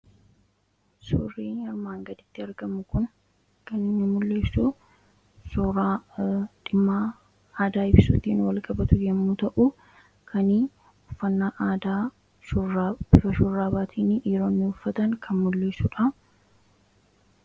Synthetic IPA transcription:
so̰ːrːiːnhɐɾmaːŋɡɐd̪ɪt̪ːɪɐɾɡɐmʊkʊn | kɐnɪɲːɐmʊlːeːsːu | sʊɾa | ᶑɪmːaː | aːd̪aːɪbɪsʊt̪ːiːnwɐlkʼɐbɐt̪ʊjɛmːuːt̪ɐʔʊ | kʰɐni | ʊfːɐnːaːʔːd̪aː | bɪfɐʃʊrːaːbaːt̪ʰiːnʔiːɾoːnːɪʊfːɐt̪ɐŋkʰɐnmʊlːe̞ːsʊᶑɐ

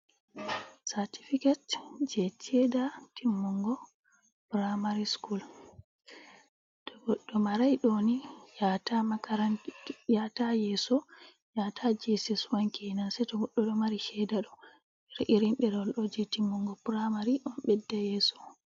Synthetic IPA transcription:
saɾti̥fikatd͡ʒɛtʰɛdatimːɔŋɡɔ | pɾamaɾiskul | tɔɡɔɗːɔmaɾajɗonijatamakaɾanjatajɛsɔ | jatʰad͡ʒɛsɛswaŋkɛnansɛtɔɡɔɗːɔɗɔmaɾiʃɛdaɗɔ | ɾʔiɾimɓɛdɔlɗɔd͡ʒɛtimːɔŋɡɔpɾamaɾiʔɔnɓɛdːajɛːsɔ̥

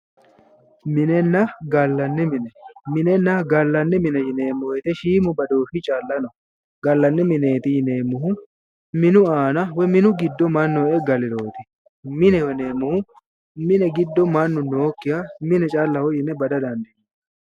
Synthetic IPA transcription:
mɪnɛnːɐɡɐlːɐnːɛmɪnɛmɪnɛnːɐɡɐlːɐnːɛmɪnɛjɪneːmːʊwɛt̪ɛʃiːmʊbɐd̪oːfɪt͡ʃʼaːlːɐnɔ | ɡɐlːɐnːɛmɪneːt̪ɪjɪneːmːʊɦʊ | mɪnʊaːnɐwɛmɪnʊɡɪd̪ːɔmɐnːɔɛɡɐlɪɾoːt̪ɛ | mɪnɛwɛneːmːʊhʊ | mɪnɛɡɪd̪ːɔmɐnːʊnoːkːɪjamɪnɛt͡ʃʼaːlːɐhɔjɪnɛbɐd̪ɐd̪ɐnd̪ɛ

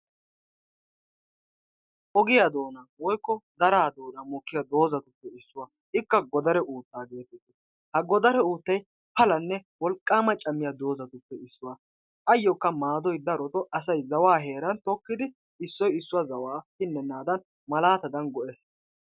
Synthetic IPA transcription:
ʔɔɡɪjad̪o̞ːnawɔjkːɔd̪ɐɾaːd̪o̞ːnɐmɔkːɪjad̪o̞ːzɐt̪ʊpːɛɪsːʊwa | ʔɪkːɐɡɔd̪ɐɾɛʔuːt̪ːaːɡe̞ːt̪ɛt̪ːɛ̥ | hɐɡɔd̪ɐɾɛuːt̪ːɐj | pɐlɐnːɛwɔlkʼːaːmɐt͡ʃʼɐmːɪjad̪o̞ːzɐt̪ʊpːɛɪsːʊwa | ʔɐjːɔkːɐmaːd̪ɔjd̪ɐɾɔt̪ɔʔɐs̬ɐjzɐwaːɦe̞ːɾɐnt̪ɔkːɪd̪ɪ | ɪsːɔjɪsːʊwɐzɐwaːhɪnːɛnːaːd̪ɐn | mɐlaːt̪ɐd̪ɐnɡɔʔɛs

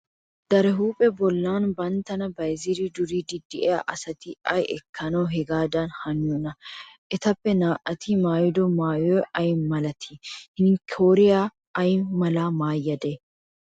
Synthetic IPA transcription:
d̪̥ɐɾɛɦuːpʼɛbɔlːaːnbɐnt̪ːɐnɐbɐjziɾɪd̪ʊɾid̪ɪd̪ɪʔɛjaːʔɐsɐt̪ɪɐjɛkʰːɐnɐwɦɛɡaːd̪ɐnhɐnɪjɔnɐʔɛt̪ɐpːɛnaːʔɐt̪ʰɪmaːjɪd̪ɔmaːjɔjʔɐjmɐlɐt̪ʰihɪnkʰoːɾɪjaː | ɐjmɐlamaːjːɐd̪e

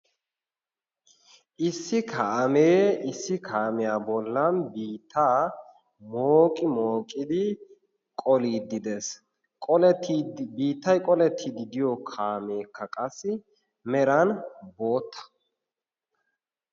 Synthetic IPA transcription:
ʔɪsːɪkʰaʔmeːɪsːɪkʰaːmɛjaːbɔlːɐnbiːt̪ʰːaː | moːkʼɪmo̞ːkʼɪd̪ɪ | kʼɔliːd̪ɪd̪es | kʼɔ | biːt̪ːɐjkʼɔlɛt̪ʰːid̪ɪd̪ɪjɔkʰaːme̞ːkːɐkʼɐsːɪ | mɛɾɐnbo̞ːt̪ːɐ̥

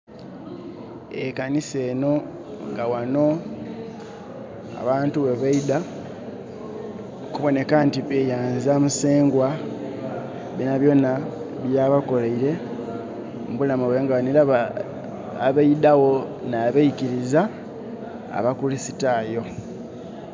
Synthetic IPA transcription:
ekanise̞ːno̞ | ŋɡawano̞ | a̰βaːntuweβaida | kuβo̞ne̞kantiβejaːnzamuseːŋɡwa | βinaβjo̞na | βjaːβako̞laiɾe̞ | muβulamuβeaŋɡawanilaβa | aβaidawo̞naβaikiɾiza̰ː | βakulisitaːjo̞

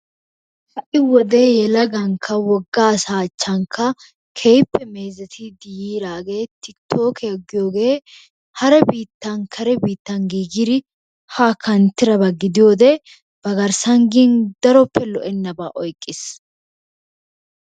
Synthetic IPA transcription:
hɐʔɪwɔd̪e̞ːjɛlɐɡɐŋkʰːɐwɔɡːaːsaːt͡ʃːɐŋkʰːɐ | kʰejpːɛme̞ːzɛt̪ʰɪd̪ɪjiːɾaːɡe̞ːt̪ɪt̪ʰːo̞ːkʰeɡːɪjoːɡe̞ː | hɐɾɛbiːt̪ːɐŋkʰɐɾɛbiːt̪ːɐŋɡiːɡɪd̪ɪ | haːkʰɐnt̪ːɪɾɐbɐɡɪd̪ɪjo̞ːd̪ɛ | b̥ɐɡɐɾsɐŋɡiːnd̪ɐɾɔpːɛlɔʔɛnːɐba̰ːʔɔjkʼːɪs

